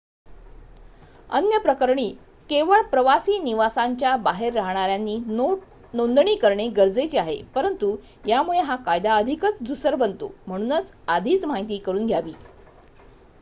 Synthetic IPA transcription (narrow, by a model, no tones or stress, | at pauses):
ə̰njəpɾəkəɾɳiː | keʋəɭpɾəʋasiːniʋasaɲt͡ɕjabaɦeɾːaɦɳ̃aɾjanːiː | nond̪ɳiːkəɾɳeɡəɾd͡zəjt͡ɕiaɦḛpəɾənt̪u | jamuɭeɦakajd̪aəd̪ʱikət͡sd̪ʱusəɾbənt̪o̰m̤əɽ̃uːnət͡sad̪ʱiːt͡smaɦit̪iːkəɾuːnɡʱjaʋiː